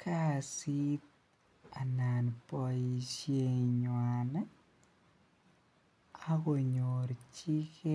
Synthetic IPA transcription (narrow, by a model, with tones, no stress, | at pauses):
kʰa˦˨si˦t̪̚ | a˨na˨npɔ˧i˨ʃje˦ɲwa˨na˦ | a˦ko˨ɲo˨ɾt͡ʃi˦ke˦